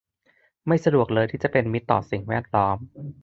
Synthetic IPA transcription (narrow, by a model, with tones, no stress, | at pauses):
ma˥˩jsa˧du˨˩ək̚lɤː˧jt̪ʰiː˥˩t͡ɕa˨˩pe˧nmi˦˥t̪ːɔ̰ː˨˩si˨˩ŋwɛː˥˩t̪̚lɔː˦˥m